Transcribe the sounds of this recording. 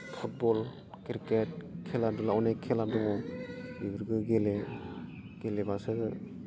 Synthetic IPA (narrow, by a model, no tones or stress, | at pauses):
pʰut̚bɔl | kiɾket̚kʰelaɾdulaɔnekʰelaɾdɔŋɔbibiɾɡɯɡele | ɡ̥elebasɯ